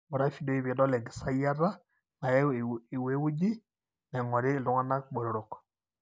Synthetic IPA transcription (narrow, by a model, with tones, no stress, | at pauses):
mɔ˨ɾa˦fi˨do˦i˦βi˨ɗɔ˦lɛ˨ɡi˨sa˦ja˦ɾa˦ | na˨jɛ˦˨i˨we˦wu˦d͡ʒi˦ | nɛ˨ŋɔ˨ɾɪ˦˨lʊ˦ŋa˦na˦k̚ɓɔ˨ɾo˨ɾɔ˨k